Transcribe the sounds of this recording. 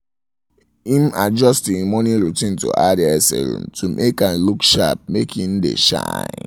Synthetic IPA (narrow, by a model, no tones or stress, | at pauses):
ĩmad͡ʒɔstĩmɔ̃niɹutĩntṵʔadiɛsḛɾṵ̃mtʰumʔekãnlukʃa̰p̚mekʰĩn̩dḛʃã̰ɪ̃n